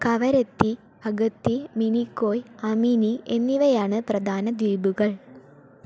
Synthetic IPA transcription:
kɐʋɐɾet̪ːi | ɐɣɐt̪ːiminikːoːjɐminiʔe̞nːiʋɐjaːɳɨprɐd̪ʱaːnɐd̪ʋiːbuɣɐɭ

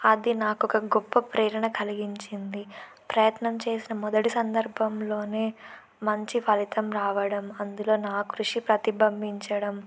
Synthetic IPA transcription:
ɐd̪inaːkɔkɐɡɔpːɐpɾɛːɾɐɳɐkɐliɡiɲt͡ʃind̪i | pɾɐjɐt̪nɐmt͡ʃe̞ːsinɐmɔd̪ɐʈisɐnd̪ɐɾbʱɐmlo̞ːne̞ː | mɐɲt͡ʃipʰɐlit̪ɐmɾaːʋɐɽɐmɐnd̪ulo̞ːnaːkɾuʂipɾɐt̪ibɐmbʱiɲt͡ʃɐɽɐm

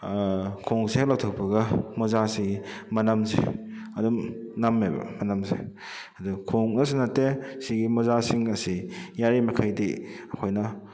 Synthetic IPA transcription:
kʰoŋseak̚lawtʰɐk̚pɐɡɐmɔzasiɡimɐnamsḛ | ɐdumnamebɐ̰mɐnamsḛ | ɐdukʰoŋnɐs̬inɐtːesiɡimɔzasiŋɐsijaɾimɐkʰajdiɐkʰojnɐ

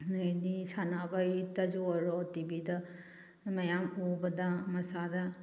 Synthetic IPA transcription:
edisanabajtɐzuɾɔtibidɐ | mɐjamubɐdamɐsadɐ

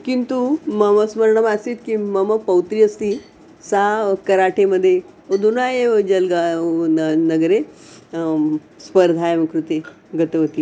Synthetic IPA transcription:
kint̪uməməsməɾɳəmasiːt̪kiməməpəwt̪ɾiəst̪i | sakəɾaʈʰeməd̪ʱːje | od̪ʱunajed͡ʑəlɡa | nəɡɾe | spəɾd̪ʱajeməkɾut̪e | ɡət̪əʋət̪i

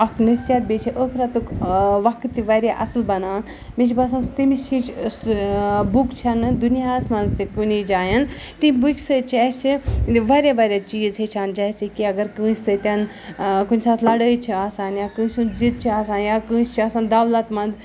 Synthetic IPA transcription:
ɐkʰnəsijat̪̚beːt͡ʃʰiʔəkʰɾat̪ukʋɐkʰt̪ːiʋɐɾʲjaʔɐ̰slbɐnaːn | mit͡ʃʰbɐsãnst̪imist͡ʃʰit͡ʃ | bukt͡ʃʰɐnɨd̪unijaːsmɐ̃nzt̪ikunid͡ʒaːjɐn | t̪ĩbukʲsɨt͡ʃʰasiʋaɾʲaʋaɾʲjat͡ʃiːzet͡ʃʰaːnd͡ʒasikiɐɡɐɾkɨ̃ːsɨt̪ʲɐn | kunʲsaːt̪ʰlɐɽəjt͡ʃʰiaːsaːnjakɨːsunzit̪̚t͡ʃʰiaːsaːnjakɨ̃ːst͡ʃʰiaːsaːnd̪aʋlɐt̪mɐ̃nd̪

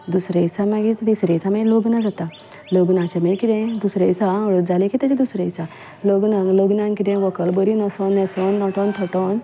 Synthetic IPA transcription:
d̪usɾesamaɡid̪isɾẽt͡samẽloɡnad͡zat̪a | loɡnãt͡ɕamekit̪ẽd̪usɾesaəɭət̪̚d͡zalẽkit̪ed͡ʑĩd̪usɾẽt͡sa | loɡnaŋloɡnãŋkit̪ẽʋɔkəlbəɾinəsɔnjɛsɔnd̪ɔ̃ʈɔ̃nt̪ʰɔʈɔn

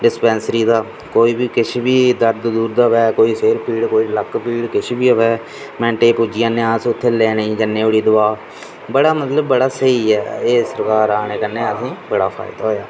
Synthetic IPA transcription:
ɖɪspɛ̃ːnsɾiːd̪aː | koːiːbiːkɪt͡ʃʰːbiːd̪əɾd̪d̪uːɾd̪aːʋɛːkoːiːseːɾpiːɽkoːiːləkpiːɽkɪt͡ʃʰːbiːʋɛː | mɛ̃ːɳʈeːpud͡ʒɪjãːnɪãːsʊt̪ʰːeːlɛːnəĩːd͡ʒənːeːʊɽiːd̪ʊʋaː | bəɽaːmət̪ləbːəɽaːsəiːɛːeːsəɾkaːɾaːneːkənːeːəsĩːbəɽaːpʰa̰ːɪd̪aɦoːjaː

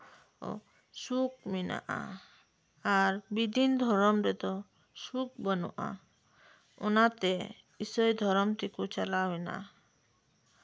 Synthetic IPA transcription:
ɔ̰ | suk̚mina̰ʔa̰ | aɾbid̪ʱind̪ʱɔɾɔmɾet̪ɔ | suk̚bɔnɔʔa̰ | onat̪e | isɔjd̪ʱɔɾɔmt̪ikut͡ʃalawina̰

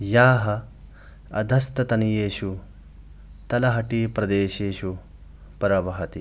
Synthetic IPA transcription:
jaːɦɐ | ɐ̰d̪ʱɐst̪ɐt̪ɐnijeːʃu | t̪ɐlɐɦɐʈiːpɾɐd̪eːʃeːʃu | pɐɾɐʋɐɦɐt̪i

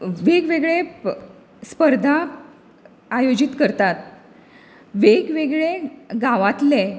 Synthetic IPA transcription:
ʋeɡʋeɡɭe | spəɾd̪ʱa | ajod͡ʑit̪kəɾt̪at̪ | ʋeɡʋeɡɭeɡaʋat̪le

